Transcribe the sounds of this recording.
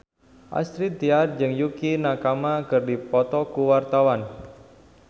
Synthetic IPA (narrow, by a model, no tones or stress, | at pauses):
ʔa̰st̪ɾit̪iard͡ʒɨŋjukinakamakɨrdipɔt̪ɔkuwart̪awan